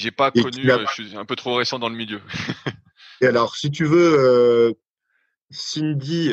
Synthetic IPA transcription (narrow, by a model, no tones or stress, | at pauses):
ʒepakeɔnk̪yaʃiɛ̃pøt̪χoʁesɑ̃d̪ɑ̃ləmiljø | ealɔʁsit̪̬yvøø | sind̪i